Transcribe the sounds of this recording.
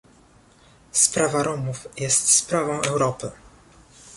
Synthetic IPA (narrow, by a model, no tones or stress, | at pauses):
spɾavaɾɔmufjɛst̪spɾavɔ̃w̃ɛwɾɔpɘ